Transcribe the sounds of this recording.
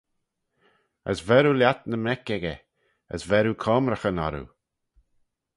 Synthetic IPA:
ə̰svɛɾuljat̪nəmɛkɛɡə | ə̰svɛɾukʰɔːmɾəxənɔ̰ɾṵ

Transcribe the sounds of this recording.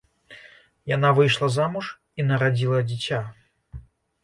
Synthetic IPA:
janavɨjʂlˠɐzamuʂ | inɐɾad͡zʲilˠɐd͡zʲit͡sʲa

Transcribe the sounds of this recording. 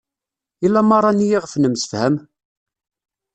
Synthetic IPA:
ilːæmɑrˤːɑnijiʁəfnəmsə̥fhæm

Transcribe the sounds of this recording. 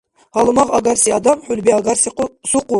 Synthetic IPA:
hɑlˠɨmɑʁɑɡɑɾsiɑd̪ɑmħʊlbiɑɡɑɾssuqu

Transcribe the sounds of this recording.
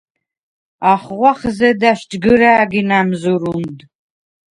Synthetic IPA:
aχʁʷɐχzɐdaɕd͡ʒɡɨɾaːɡinaːmzuɾund

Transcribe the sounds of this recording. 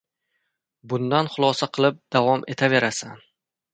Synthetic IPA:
bʊnd̪anχʊlˠɒsaqʰɨlˠɪp̚d̪avɒmʔe̞t̪ʰave̞ɾasan

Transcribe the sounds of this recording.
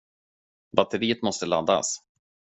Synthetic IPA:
vat̪ːəɾiːət̪mɔst̪əla̰d̪ːa̰s

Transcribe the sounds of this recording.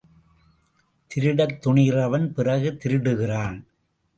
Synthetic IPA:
t̪ɪɾɪɽɐt̪ːʊɳiːrɐʋɐnpɪrɐɣɯt̪ɪɾɯɽɯɣɪraːn

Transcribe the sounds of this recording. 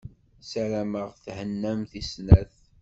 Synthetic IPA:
sæɾæməʁθhənːæmθisnæθ

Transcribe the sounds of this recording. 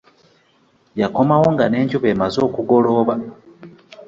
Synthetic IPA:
jako̞mawo̞ŋɡane̞ːɲɟuβeːmazoːkuɡo̞lo̞βa

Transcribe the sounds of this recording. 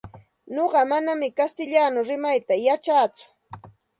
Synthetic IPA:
ɲoɢɑmanamɪkast̪ɪʎanʊɾɪmajt̪ajat͡ʃaːt͡sʊ̥

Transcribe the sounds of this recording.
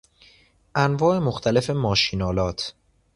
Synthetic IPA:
ʔænvɒːʔe̞moxt̪ʰæle̞fe̞mɒːʃiːnɒːlɒːt̪ʰ

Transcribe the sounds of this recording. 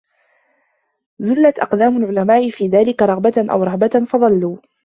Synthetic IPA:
zʊlːat̪ʔɑ̰qd̪aːmʊlʕʊlamaːʔɪfiːðaːlɪkaɾˤɑɣbaʔa̰wɾˤɑɣbafɑðˤɑlːuː

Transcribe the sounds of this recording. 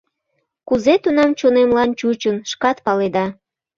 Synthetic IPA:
kuzet̪unɑmt͡ɕonemlɑnt͡ɕut͡ɕənʃkɑt̪pɑled̪ɑ

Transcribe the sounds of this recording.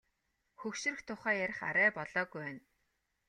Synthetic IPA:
xɵwʃɵ̆rɵ̆xt̪ʰʊχæːjæɾʲɪ̆χa̰ɾæːpɔɮɔːɣujwæːn

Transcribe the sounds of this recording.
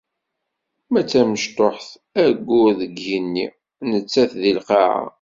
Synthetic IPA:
mæt͡sːæməʃt̪ˤoħθ | æɡːʊɾðəɡjinːi | nət͡sːæθðilqɑʕa̰

